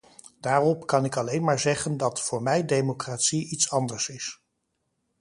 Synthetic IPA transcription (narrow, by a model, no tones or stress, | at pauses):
d̥aːrɔpkɑnɪkɑlejnmaːɹzɛχəndɑtfʊːɹmɛjdejmokraːtsiʔitsɑndəɹsɪs